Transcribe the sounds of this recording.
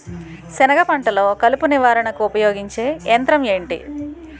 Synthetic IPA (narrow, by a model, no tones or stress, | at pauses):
sɛnɐɡɐpɐɳʈɐlo̞ːkɐlupuniʋaːɾɐɳɐkuupɐjoːɡiɲt͡ʃe̞ːent̪ɾɐme̞ːɳʈḭ